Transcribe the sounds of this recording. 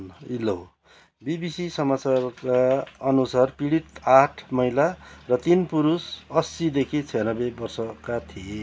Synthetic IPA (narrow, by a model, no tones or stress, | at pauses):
ilo | bibisisʌmat͡sarkaʌnusarpiɽit̪aʈʰmʌjlarʌt̪inpuɾusʌsid̪ekʰit͡sʰijʌnʌbebʌrsʌkat̪ʰie